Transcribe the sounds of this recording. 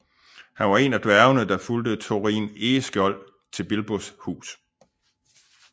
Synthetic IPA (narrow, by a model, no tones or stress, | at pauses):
hænʋɑ̈e̝næd̥ʋæɐʊnəd̥ɑ̈fuld̥ət͡sʰo̝ʁḭːne̝ːsɡ̥ɒ̽l̰ | t͡sʰe̝lb̥e̝lb̥oshṵːs